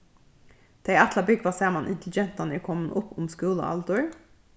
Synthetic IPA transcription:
d̪̥eːɛt̪ləbʏɡʋɑːseːmɑnʔɪ̰nt̪l̩ɡɛnt̪ɑnəɪkʰɔmənʔʊpʊmskʉːlə̰ɑ̰ld̪ʉɹ

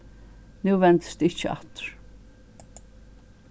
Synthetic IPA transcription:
nuːvɛnt̪st̪ɪt͡ʃːəa̰t̪ɹ̥

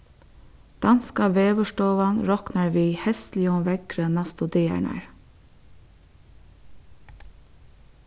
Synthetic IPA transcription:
d̪̥ɑnskɑʋeːʋəʃʈoːʋɑnɾɔknɑɹʋiːhɛst̪lɪʊmʋɛɡɾənɑst̪od̪eæ̰ɳæ̰ɹ

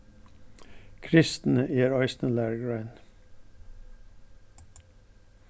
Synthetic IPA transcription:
kʰɾɪst̪n̩əeːɾɑɪsnəlæːɹɡɹæɪn

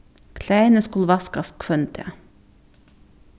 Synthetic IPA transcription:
kʰlæɪnəskulʋɑskɑskʰfœnt̪ʰɛ̰

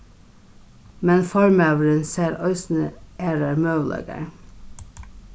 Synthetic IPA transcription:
mɛnfɑɹmøːʋəɹənseːɾœʏsn̩əeːɾəɹmøʋlʔɛ̰ɡə̰ɹ

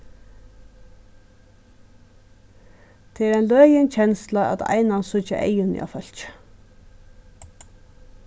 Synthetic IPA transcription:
t̪ʰɛːɾæɪnlœːjɪnt͡ɕʰɛnslaa̰t̪ʰa̰ɪnansʊt͡ʃa̰ʔḛɪjʊnɪ̰a̰fœl̥t͡ʃ

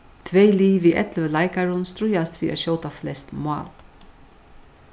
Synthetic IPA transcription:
t̪ʰvejliːviʔɛ̰t̪llajkaɾʊnst̪ɾʊjast̪fiɾʔa̰ɕoːwt̪aflɛst̪mɑ̰ːl

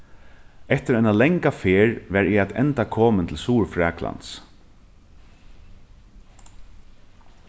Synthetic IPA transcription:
ɛht̪ɪɾaɪnalɛŋkafeːɹʋɛɾɛat̪ɛ̰nt̪akʰɔːmənt̪ʰɪlsuːɹfɾɛːkla̰nt̪s

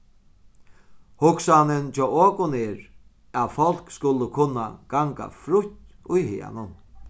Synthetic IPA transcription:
hʊksanɪnt͡ʃʰɔoːkʊneːɾ | æðfɔl̥kskʊlːʊkʰʊnːa̰ɡ̥aŋka̰fɾʊht̪ | ʊjhɪ̰ːa̰nʊn

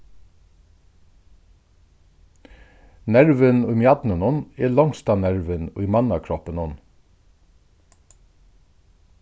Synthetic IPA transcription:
næɹʋənuiːmjɑd̪nənʊneːlɔŋst̪ɑːnæɹʋəniːmɑnɑkʰɹɔpənʊn

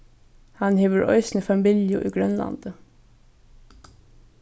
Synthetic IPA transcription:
hɑnheːʋəɹʔœ̰ʏsnəfɑmɪljʊʔiːɡɹœnlɑ̰nd̪̥ə

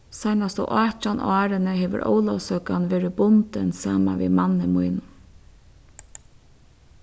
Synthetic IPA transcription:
sajnast̪ɔ̰ʔɑːt͡ʃɔnʔɑːɾɪnəɦeːʋə̰ɾʔo̰ːwlawsœkanʋeːɾɪbʊnt̪ənsaːma̰ʋḭmanːəmujn

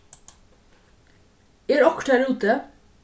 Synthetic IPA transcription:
eːɾɔkʈæɾʉːt̪ə

